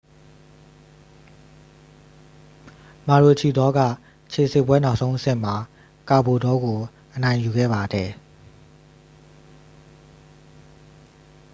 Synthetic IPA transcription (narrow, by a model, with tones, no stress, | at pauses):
ma˨ɹo˨t͡ɕʰi˨d̪ɔ˦ɡä̰˦˨ | t͡ɕʰe˨sɪ˦ʔpwɛ˦na˦ʊʔsõ˦ʊ̃ʔə˦sɪ̰̃˦˨m̥a˨ | ka˨bo˨dɔ˦ɡo˨ | ʔə˨nã˨ɪ̃ju˨ɡɛ̰˦˨ba˨dɛ˨